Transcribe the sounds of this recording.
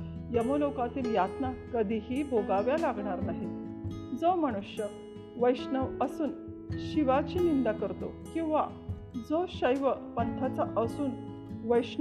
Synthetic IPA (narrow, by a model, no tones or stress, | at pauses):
jəmolokãt̪iːljat̪nakəd̪ʱiɦibʱoɡaʋjalaɡɳaɾnaɦid͡zəməɽ̃uɕjə | ʋəjɕnəʋəsuːn | ɕiʋat͡ɕiːnind̪akəɾt̪o̰ | kĩw̃ʋa | d͡zəɕəjʋəpənt̪ʰat͡saʔəsuːn | ʋəjɕ